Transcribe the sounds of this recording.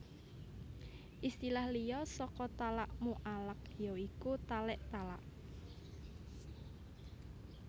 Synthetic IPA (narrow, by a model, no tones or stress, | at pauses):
ʔist̪ilahlijɔsɔkɔt̪alaʔmuʔalək̚joikut̪alɛʔt̪alaʔ